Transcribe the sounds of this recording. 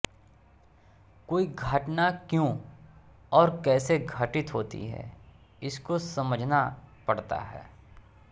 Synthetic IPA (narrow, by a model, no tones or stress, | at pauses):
koːiɡʱəʈnakjõː | ɔːɾkɛːseɡʱəʈɪt̪ɦoːt̪ḭɦɛ̰ː | ɪskosɐməd͡ʒʱnapɐɽt̪a̰ɦɛ̰ː